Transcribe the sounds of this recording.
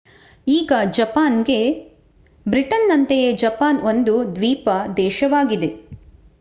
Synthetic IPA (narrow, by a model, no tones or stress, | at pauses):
iːɡɐd͡ʒɐpaːnɡe̞ | bɾiʈɐnːɐnt̪ejed͡ʒɐpaːno̞nd̪ud̪ʋiːpɐd̪ɛːʃɐʋaːɡid̪e̞